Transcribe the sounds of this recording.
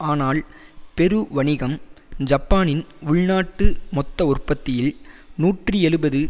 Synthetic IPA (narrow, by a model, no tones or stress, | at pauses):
aːnaːlpɛɾɯʋɐɳɪɣɐmd͡ʒɐpːaːnɪnʊɭnaːʈːɯmɔt̪ːɐʊrpɐt̪ːɪjɪlnuːʈrɯɛɻɯbɐðɯ